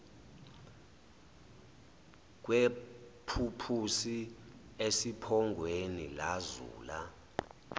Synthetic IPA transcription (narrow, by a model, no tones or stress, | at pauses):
k̬wepʰupʰusiesipʰɔŋɡʱwenilazṵːla